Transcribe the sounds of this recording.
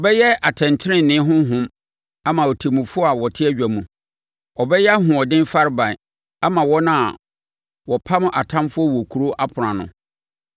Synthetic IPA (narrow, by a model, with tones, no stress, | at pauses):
ɔ˨bɛ˦jɛ˦a˨tʰɛ̃˨ntʰɪ˦ɪ̃˦˨nɪ̃˦ɦʊ̃˦ɦʊ̃˦m | a˦mã˨wɔ˨tʰi˨mũ˨fʊ˦ɔ˦a˨wɔ˨tʰɪ˦ɛ˦ɥᶣæ˨mũ˨ | ɔ˨bɛ˦jɛ˦a˦ɦʊ̃˨ɔ˨dɪ̃˦nfa˦ɾɪ˦bã˨ | a˦mã˨wɔ˦nã˦˨ | wɔ˨pʰa˦mʊ̃˦ʔa˨tʰã˦mfʊ˦ɔ˦wɔ˨kʰu˨ɾo˦ʔa˦pʰʊ˨ɾã˨nʊ̰̃˨